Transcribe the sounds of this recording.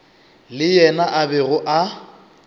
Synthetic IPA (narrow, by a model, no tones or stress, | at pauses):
lɪjɛnaʔabɛɣʊʔa